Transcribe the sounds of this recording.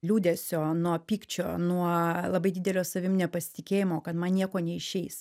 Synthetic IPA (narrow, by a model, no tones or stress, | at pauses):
lʲuːd̪ʲesʲoːnuɔpʲiːkt͡ʃʲo̰ːnuɔlˠɐbɐɪdʲiːd̪ʲɛlʲoːsɐʋʲɪmnʲɛpɐsʲɪ̥t̪ʲɪkʲeːjɪmoːkɐt̪mɐnnʲiɛkoːnʲɛɪʃʲɛɪs